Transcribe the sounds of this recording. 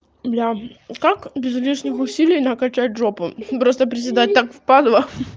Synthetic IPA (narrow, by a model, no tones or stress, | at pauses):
blʲakakbʲɪzvlʲiʂnʲɪxʊsʲilʲɪjnakɐt͡ɕat̚ʲʐopɨpɾost̪əpɾʲɪzʲɪd̪at̚ʲt̪akfpad̪və